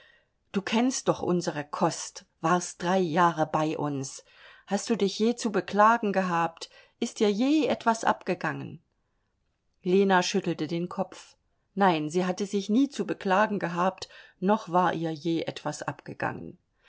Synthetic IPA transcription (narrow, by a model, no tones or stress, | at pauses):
d̥uːkʰɛnst̚d̥ɔχʔʊ̰nzəʁəkʰɔst | v̥aːɐst̚d̥ʁaɪjaːʁəbaɪʔʊ̰ns | hast̚d̥uːdɪçjeːt͡subəkl̥aːɡŋ̩ɡəɦaːp̚t | ʔɪst̚d̥iːɐjeːʔɛtv̥asʔa̰pɡ̥əɡaŋən | leːnaʃʏtl̩tədeːnkʰɔpp͡f | naɪnziːɦatəzɪçniːt͡subəkl̥aːɡŋ̩ɡəɦaːp̚tnɔχv̥aːɐʔiːɐjeːʔɛtv̥asʔa̰pɡ̥əɡa̰ŋə̰n